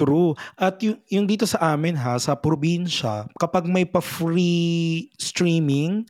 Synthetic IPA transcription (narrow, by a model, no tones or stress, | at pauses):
t̪ɾuʔɐt̪̚jʊŋjʊŋd̪iːt̪o̞sɐʔaːmɪnɦasɐpɾobinʃɐ̰kɐpaɡ̚mɐjpɐfɾi | st̪ɾiːmɪŋ